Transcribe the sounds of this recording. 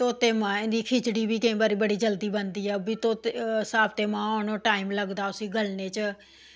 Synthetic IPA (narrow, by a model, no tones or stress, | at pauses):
t̪oːt̪eːmãːɪ̃nd̪iːkʰɪt͡ʃɽiːbiːkəĩːbəɾiːbəɽiːd͡ʒəld̪iːbənd̪iːɛːbiːt̪oːt̪ːsaːbt̪eːmãːoːnõːʈaːiːmləɡd̪aːʊsĩːɡəlneːt͡ʃ